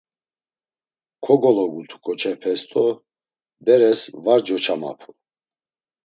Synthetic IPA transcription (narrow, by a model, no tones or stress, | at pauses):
kʰɔɡɔlɔɡut̪ʰukʼɔt͡ʃʰɛpʰɛst̪ʼɔ | bɛɾɛsvaɾd͡ʒɔt͡ʃʰama̰pʰu